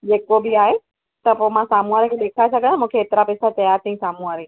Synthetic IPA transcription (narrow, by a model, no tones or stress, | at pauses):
d͡ʑeːkobɪaːɦe | t̪ɐpoːmãsaːmuaːɾkʰeːɗeːkʰaesɐɡʱənamũːkʰeːt̪ɪɾapɪsat͡ɕɐjaːɾt̪ʰə̃ĩsaːmuaːɾe